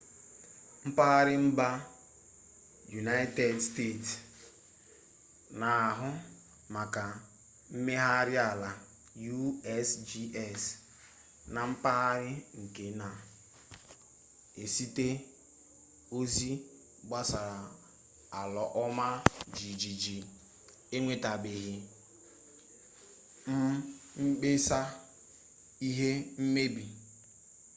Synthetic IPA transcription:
m̩˦pa˦ɾɪ˦m̩˦ba˦ | ju˨na˦ɪ˦te˦˨dste˦˨ts | na˨a˨ɦʊ˦ | ma˨ka˨ | m̩˦me˦ɦa˦ɾɪ˦a˨la˨ | ju˦ɛ˦sd͡ʒi˦ʔɛ˦˨s | na˨m̩˦pa˦ɾɪ˦ŋ̩˨ke˨na˨ | e˨si˦te˦ | o˦zi˦ | ɡ͡ba˦sa˨ɾa˨ | a˨lɔ˨ʔɔ˦ma˦d͡ʒi˨d͡ʒi˨d͡ʒi˨ | e˦ŋʷe˨ta˨be˨ɦi˨ | m̩˦ŋ͡m̩˦ɡ͡be˦sa˦ | i˦ɦe˦m̩˦me˦bi˨

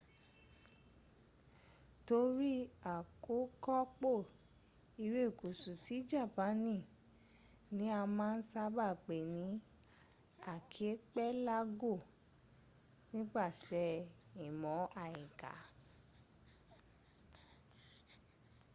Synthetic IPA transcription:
to˧˦ɾi˦a˨ko˨˦kɔ˦k͡po˦˨ | i˧ɾe˦˨ku˨su˨ti˨˦d͡ʒa˦˨pã˨˦nĩ˦˨ | nĩ˨˦a˧mãː˦˧n̩˦sa˧ba˦˨k͡pe˨nĩ˨˦ | a˦˨kʰi˨˦k͡pɛ˦la˦ɡo˦˨ | nĩ˦ɡ͡ba˦˨sɛ˧˦i˨mɔ̃˨˦a˦˨ĩ˨ka̰˨˦

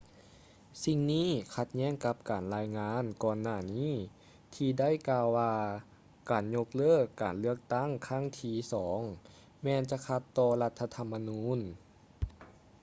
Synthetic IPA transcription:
si˧ŋniː˥˨kʰa˧t̪̚ɲɛː˥˩˨ŋka˧˥p̚kaː˨˩nlaː˧jŋaː˧˥nkɔː˧nːaː˧˩niː˥˨ | t̪ʰiː˧da˥˩˨jkaː˧wwaː˧ | kaː˨˩nɲo˧k̚lɤː˥˩kːaː˨˩nlɯ˥˩ək̚t̪a˥˩˨ŋkʰa˥˩ŋt̪ʰiː˧˩sɔː˩˦ŋ | mɛː˧nt͡ɕa˧˥kʰa˧˥t̪ːɔː˧la˧˥t̪ʰːa˧t̪ʰa˧mːa˧nuː˧˥n

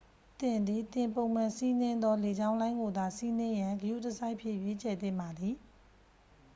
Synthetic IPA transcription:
t̪ɪ̃˨nd̪i˨t̪ɪ̃˨mpõ˨mã˨si˦n̥ɪ̃˦nd̪ɔ˦le˨d͡ʑã˦ʊ̃lã˦ɪ̃ŋɡo˨d̪a˨si˦n̥ɪ̃˦jã˨ŋɡəjṵ˦˨tə˨sa˦ɪʔpʰjɪ̰˦˨jwe˦t͡ɕʰɛ˨t̪ɪ̰̃˦˨mba˨d̪ði˨

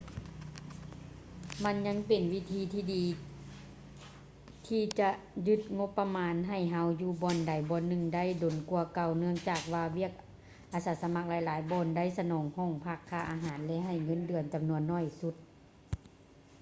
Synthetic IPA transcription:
ma˧˥˨nɲa˧˥˨ŋpe˨˩nwi˦˧˥t̪ʰiː˧˦t̪ʰiː˧˩diː˨˦ | t̪ʰiː˧t͡ɕa˧ʔ | jɯ˧˥t̪̚ŋo˧˥pːa˧maː˧˥nɦa˧˩jɦa˧˥wjuː˧˩bɔː˧˩nda˨˩jbɔː˧˦nːɯ˧˩ŋda˧˥˨jdo˨˩nku˧ɐka˨˩wnɯ˧əŋt͡ɕaː˨˩k̚waː˧wi˦˥˩ək̚ | ʔaː˧saː˨˦sa˧ma˧˥k̚laː˨˧˦jlaː˨˦jbɔː˧˥nda˧˥˨jsa˧nɔː˨˦ŋhɔː˧˩ŋpʰa˧˩kʰːaː˧˩ʔa̰ː˧ɦaː˨˦nlɛ˧˥ɦa˧˩jŋɤ˧˥˨ndɯ˨˩ənt͡ɕa˨mnu˧ənːɔː˧˥˩jsu˧˦t̪̚

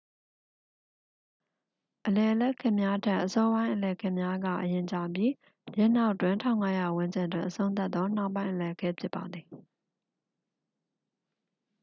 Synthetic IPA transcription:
ʔəlɛ˨ʔəlɛ˦ʔkʰɪ̃˦ʔmja˦tʰa˦˨ʔəsɔ˦bã˦ɪ̃ʔəlɛ˨əkʰɛ˦˨mja˦ɡa̰˦˨ʔəjɪ̃˨ɲt͡ɕa˨pji˦˨ | jɛ˦ʔn̥a˦ʊʔtwɪ̃˨ntʰã˦ʊ̃ŋa˦ja˨wʊ̃˦ɲd͡ʑɪ̃˨ndwɪ̃˨ʔəsʰõ˦ʊ̃nt̪a˦t̪ːɔ˦n̥a˦ʊpːã˦ɪ̃ʔə˨lɛ˨əkʰɛ˦pʰjɪ˦pːa˨d̪ði˨

